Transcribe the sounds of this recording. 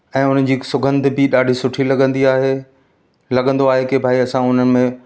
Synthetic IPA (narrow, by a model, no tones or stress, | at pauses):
ɛ̃ːʊnəd͡ʑiːsʊɡə̃nd̪ʱɪ̆bɪɗaːɖʱisʊʈʰilɐɠə̃nd̪iaːɦe | lɐɡə̃nd̪oaːɦekebʱaːiɐsãʊnə̆mẽ